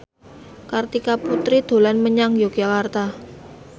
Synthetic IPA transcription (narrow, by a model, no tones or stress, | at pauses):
kart̪ikaput̪ɾid̪̥o̤lanməɲaŋjoɡjakart̪a